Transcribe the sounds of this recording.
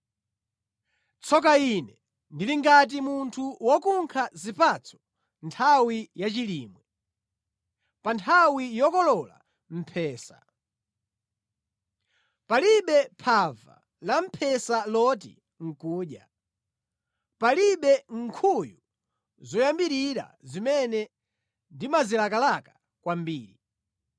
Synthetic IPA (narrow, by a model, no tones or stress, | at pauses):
t͡sʰɔk̬ainɛ | ndiliŋɡat̬imuntʰuwɔkuŋkʰazipat͡sʰɔ̥ | ntʰawijat͡ʃiliːmwɛ | pantʰawijɔkɔlɔla̰ | m̩pʰɛːsa̰ | paliɓɛpʰava̰ | lam̩pʰɛsalɔt̬ḭ | ŋ̩kuːɗja | paliɓɛŋ̩kʰuju | zɔjambiɾiɾa̰zimɛnɛ | ndimazilakalakḁ | kwambiːɾi